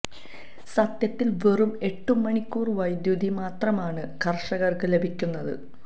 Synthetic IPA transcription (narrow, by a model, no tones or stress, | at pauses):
sɐt̪jɐt̪ːilʋe̞rume̞ʈːumːɐɳikʲːuːrʋɐjd̪jud̪ʱimaːt̪rɐmaːɳɨkʰɐrʂɐɣɐrkɨle̞bʱikʲːunːɐðɨ̰